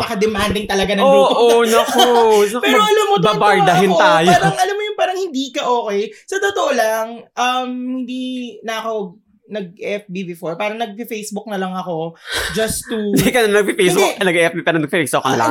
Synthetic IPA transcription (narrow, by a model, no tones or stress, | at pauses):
pɐkɐd̪ɛmand̪ɪŋt̪ɐlɐɡanɐuʔonɐkɐpɛɾoɐlamːobabaɹd̪ɐɦɪnt̪aːjpoaːɾɐŋɐlamːojʊŋpaːɾɐŋhɪnd̪iːkɐʔoːkɛjsɐt̪ot̪oʔolɐŋʔɐmhɪnd̪inɐɐko | nɐɡ̚ʔɛfbibɪfoɹpaːɾɐŋnɐɡ̚pɪfejsbʊk̚nɐlɐŋɐko̞d͡ʒɐst̪ːud̪ikɐnɐnɐɡ̚pifejsbʊknɐɡɛfbipɛːɾɐŋnɐɡ̚pːɛksoːkonɐ̰lɐ̰ŋ